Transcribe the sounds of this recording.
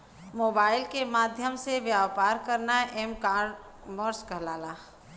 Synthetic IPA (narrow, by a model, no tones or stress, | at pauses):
moːbaːɪlkemaːd̪ʱjəmseʋjaːʋpaːɾkəɾnaʔemkaːɾɖ | məɾskəɦlaːlaː